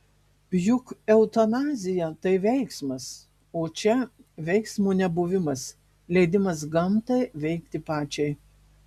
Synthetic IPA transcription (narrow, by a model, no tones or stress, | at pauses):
pʲjʊkɛʊt̪ɐnɑːzʲɪjɛt̪ɐɪʋʲɛɪksmɐs | oːt͡ʃʲɛʋʲɛɪksmuːnʲɛbuʋʲɪmɐs | lʲɛɪd̪ʲɪmɐs̬ɡɐmt̪ɐɪʋʲɛɪkt̪ʲɪpɑːt͡ʃʲɛɪ